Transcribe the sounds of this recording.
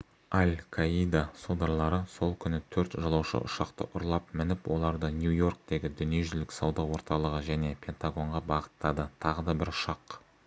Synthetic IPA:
ɑlʲkʰaijd̪asod̪ɑɾlˠɑɾəso̞lˠkʲʰʏnɪt̪ʰɵɾt̪ʒɑlˠɑwʃə̰ʔʊ̰ʃɑqt̪ə̰ʔʊɾlˠɑpmɪnɪpwʔo̞̰lˠɑɾd̪ənjujo̞rk̚t̪e̞ɡʲɪd̪ʏnije̞ʒʏlɪksɑwd̪ɑwo̞ɾt̪ɑlˠəʁəʒæne̞pʲʰe̞nt̪aɡo̞ɴʁɑbɑʁət̪ːɑd̪ət̪ʰɑʁəd̪ɑbɪɾʊʃɑq

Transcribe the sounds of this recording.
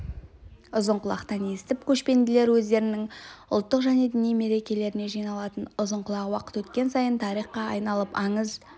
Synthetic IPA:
ʊzəɴqʊlˠɑ̰qt̪ɑne̞st̪ɪp̚kʲʰɵʃpe̞nd̪ɪle̞ɾwɵzd̪e̞ɾɪnɪŋʊ̰lˠt̪ːəqʒæne̞d̪ɪnijme̞ɾe̞kʲe̞le̞ɾɪne̞ʒijnɑlˠɑt̪ənʊzəɴqʊlˠɑʁwɑqə̥t̪wɵt̪kʲe̞nsɑjənt̪ʰɑɾijχqɑɑjnɑlˠəpɑɴəz

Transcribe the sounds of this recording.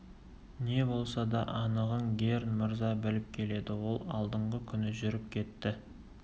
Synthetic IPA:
ne̞bo̞lˠsɑd̪ɑʔɑnəʁənɡʲe̞ɾnmɪɾzɑbɪlɪp̚kʲʰe̞le̞d̪ɪwo̞lˠɑlˠd̪əɴʁəkʲʰʏnɪʒʏɾɪp̚kʲʰe̞t̪ːɪ

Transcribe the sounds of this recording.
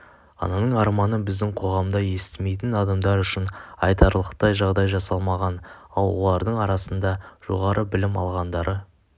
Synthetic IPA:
ɑ̰nɑnəɴɑɾmɑnənbɪzd̪ɪŋqʰo̞ʁɑmd̪ɑje̞st̪ɪme̞jt̪ɪnɑd̪ɑmd̪ɑɾʏʃɪnɑjt̪ɑɾlˠəqt̪ɑjʒɑʁd̪ɑjʒɑsɑlˠmɑʁɑnɑlˠwo̞̰lˠɑɾd̪əɴɑɾɑsənd̪ɑʒ̥o̞̰ʁɑɾʔəbɪlɪmɑ̰lˠʁɑnd̪ɑɾʔə

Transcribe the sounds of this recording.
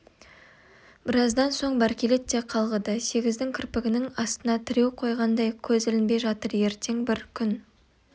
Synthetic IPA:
b̥ɪɾɑzd̪ɑnso̞ɴbæɾkʲele̞t̪ːe̞qʰɑlˠʁəd̪əse̞ɡʲɪzd̪ɪŋkʲʰʏɾpɪɡʲɪnɪŋɑst̪ənɑt̪ʰɪɾe̞wqʰo̞jʁɑnd̪ɑjkʲʰɵzɪlɪnbe̞jʒɑt̪əɾje̞ɾt̪e̞ŋbɪɾkʲʰʏn

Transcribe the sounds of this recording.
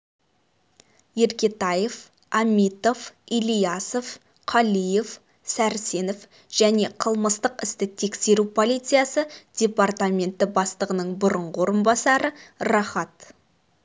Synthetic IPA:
je̞ɾkʲe̞t̪ɑje̞f | ɑmʲit̪o̞filijɑsof | qʰɑlije̞f | sæɾse̞nof | ʒ̥æne̞qʰəlˠməst̪əqɪst̪ɪt̪ʰe̞kse̞ɾupʰo̞lˠijt̪sɨjasəd̥̪ʲe̞part̪amʲe̞nt̪ːɪbɑst̪əʁənəɴbʊɾəɴʁəwo̞ɾəmbɑsɑɾəɾɑχɑt̪

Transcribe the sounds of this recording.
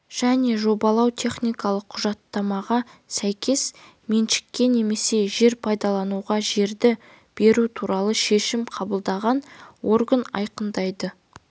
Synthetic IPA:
ʒ̥æne̞ʒo̞bɑlˠɑwt̪ʲʰe̞χnijkɑlˠəqʰːʊʒɑt̪ːɑmɑʁɑsæjkʲʰe̞s | me̞nʃɪ̥kʲːe̞ne̞me̞se̞ʒe̞ɾpʰɑjd̪ɑlˠɑnuʁɑʒe̞ɾd̪ɪ | b̥e̞ɾut̪ʰuɾɑlˠəʃe̞ʃɪmqʰɑbəlˠd̪ɑʁɑnwo̞ɾɡənɑ̰jqənd̪ɑjd̪ə

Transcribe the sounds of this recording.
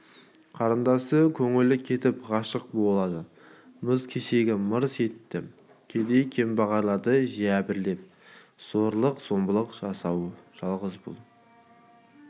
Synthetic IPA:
qʰɑɾənd̪ɑsəkʲʰɵŋɪlɪkʲʰe̞t̪ɪpʁɑʃəq̚bo̞lˠɑd̪ə | məzkʲʰeʃe̞ɡʲɪməɾse̞t̪ːɪ | kʲʰe̞d̪e̞jkʲʰe̞mbɑʁɑɾlˠɑɾd̪əʒiæbɪɾle̞p̚ | z̥oɾlˠəqz̥o̞mbəlˠəqʒɑsɑwʒ̥ɑlˠʁəzbʊ̰lˠ

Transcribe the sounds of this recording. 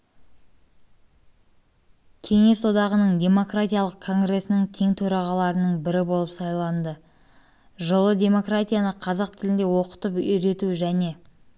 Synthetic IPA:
kʲʰe̞ŋe̞so̞d̪ɑʁənəɴd̪ʲe̞mo̞krat̪ʲijalˠəq̚kʰːo̞ŋɡre̞sɪnɪŋt̪ʰe̞ŋt̪ʰɵɾɑʁɑlˠɑɾənəɴbɪɾɪbo̞lˠəpsɑjlˠɑnd̪ə | ʒəlˠəd̪ʲe̞mo̞krat̪ʲijanəqʰɑzɑq̚t̪ʰɪlɪnd̪e̞wo̞qə̥t̪əpʏjɾe̞t̪uʒæne̞

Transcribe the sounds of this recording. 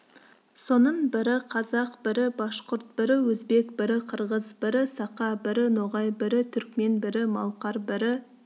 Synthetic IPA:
so̞nəɴbɪɾɪqʰɑzɑq̚bɪɾɪbɑʃqʊɾt̪̚bɪɾɪwɵzbe̞kbɪɾɪqʰəɾʁəzbɪɾɪsɑqɑbɪɾɪnoʁɑjbɪɾɪt̪ʰʏɾk̚me̞nbɪɾɪmɑlˠqɑɾbɪɾɪ

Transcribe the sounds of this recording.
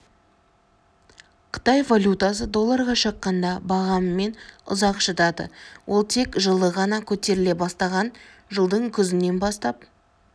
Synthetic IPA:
qʰə̥t̪ɑjvalʲjut̪as̬əd̪o̞lˠːɑɾʁɑʃəqːɑnd̪ɑbɑʁɑmːe̞nʊ̰zɑqʃət̪ɑd̪ə̰wʔo̞lˠt̪ʰe̞kʒəlˠəʁɑnɑkʲʰɵt̪e̞ɾɪle̞bɑst̪ɑʁɑn | ʒəlˠd̪əɴkʲʰʏzɪnːe̞nbɑst̪ɑp̚

